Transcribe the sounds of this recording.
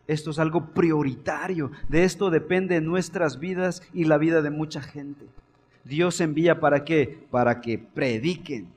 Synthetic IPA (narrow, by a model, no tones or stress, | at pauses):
e̞st̪oes̬alɣo̞pɾjo̞ɾit̪aɾjo̞ðe̞est̪o̞ðe̞pe̞nd̪e̞nwe̞st̪ɾazβiðasilaβiðaðe̞mut͡ʃaxe̞nt̪e̞ | d̪jo̞se̞mbiʝapaɾakepaɾake̞pɾeðiken